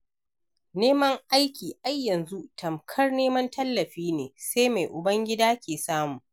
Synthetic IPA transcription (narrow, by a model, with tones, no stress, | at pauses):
neː˦mɐ˦ŋʔa˦jkʲiː˨ʔa˦jːɐ˨nzu˦tʰɐ˨mkʰɐ˦rneː˦mɐ˦ntʰɐ˦lːɐ˨ɸiː˦neː˨seː˦jma˨jʔʊ˨bɐ˦ŋɡʲɪ˦daː˦kʲʰeː˨saː˦muː˨